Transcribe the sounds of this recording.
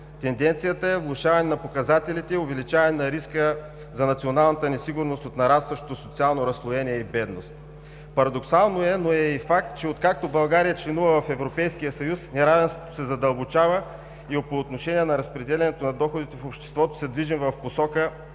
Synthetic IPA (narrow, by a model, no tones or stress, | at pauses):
t̪ɛnd̪ɛnt̪sijət̪əɛvlˠʊʃavɐnɛnɐpokɐzat̪ɛlit̪ɛovɛlit͡ʃavɐnɛnɐɾiskə | zɐnɐt̪sionalˠnɐt̪ənɛsiɡʊɾnost̪ot̪nɐɾast̪vəʃt̪o̥t̪osot̪sialˠnoɾɐslˠojɛnʲiɛibɛd̪nost̪ | pɐɾɐd̪oksalˠnoɛnoɛifak̚t̪̚t͡ʃɛot̪kak̚t̪obɐlˠɡaɾijət͡ʃlɛnuvəvɐfɛvɾopɛjsk̟ijəsɐjusnɛɾavɛnst̪vo̥t̪o̥sɛzɐd̪ɐlˠbot͡ʃavə | iopoːt̪noʃɛniɛnɐɾɐspɾɛd̪ɛlɛnɛt̪onɐd̪ɔxod̪it̪ɛfopʃt̪ɛ̥st̪vɔt̪o̥sɛd̪viʒimvɐfposɔkə